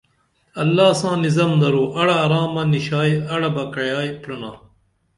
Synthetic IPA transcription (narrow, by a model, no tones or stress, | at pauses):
ɐlːaːsãːnizɐmd̪ɐɾoːʔɐɽɐːɾaːmɐniɕaːjɐɽɐbɐkɐjaːjpɾuna̰ː